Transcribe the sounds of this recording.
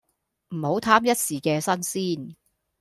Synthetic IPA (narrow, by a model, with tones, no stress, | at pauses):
m̩˨˩ho˨˥wt̪ʰaː˥mjɐ˥t̚siː˨˩kɛː˧sɐ˥nsiː˥n